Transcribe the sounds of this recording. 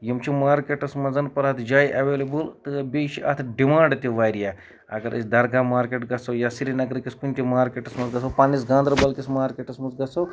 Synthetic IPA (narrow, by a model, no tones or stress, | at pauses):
jimt͡ʃʰimaːɾkeʈɐsmɐd͡zɐnpɐɾɐt̪ʰd͡ʒaːjʔɐʋeːlebɨlt̪ɨbeːʃiʔɐ̰t̪ʰɖimãːɳɖt̪ʲiʋaːjɾija | ɐ̰ɡɐɾʔɐ̰sʲd̪ɐɾɡaːmaːɾkeːʈɡɐsɐwjasiɾinɐɡɾɨkʲiskunʲt̪ʲimaːɾkeʈɐsmɐzɡɐsɐpaːnisɡãːnd̪ɾɐbɐlkʲismaːɾkʲeːʈɐsmɐzɡɐsɐw